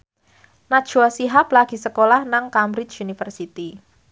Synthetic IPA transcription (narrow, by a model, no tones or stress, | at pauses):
nḁʒ̥uasiɦaplaɡ̥i̤səkolahnaŋkamɾɪt͡ʃunifərsit̪i